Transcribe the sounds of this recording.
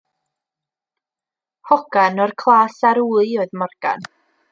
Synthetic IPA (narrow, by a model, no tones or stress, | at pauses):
hɔɡ̥anɔrkʰlˠaːsaɾuːɨɔɨðmɔrɡ̥a̰n